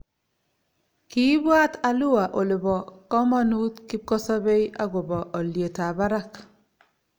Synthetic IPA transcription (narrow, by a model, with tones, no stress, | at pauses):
ki˦bwa˦ta˨lu˦wa˨ʔo˨lɪ˨bɔ˨kɔ˦ma˦nu˦t̪ki˦p̚kɔ˦sɔ˦be˦ja˦ɡo˨bɔ˨ʔɔ˨lje˨ta˨ba˦ɾa˦k